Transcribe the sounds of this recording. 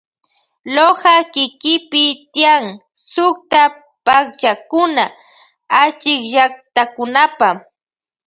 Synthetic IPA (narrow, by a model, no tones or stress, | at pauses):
lohakɪkɪpɪt̪ɪjaŋ | sʊkt̪a | pakt͡ʃakʊna | at͡ʃɪkʒak̚t̪akʊnapa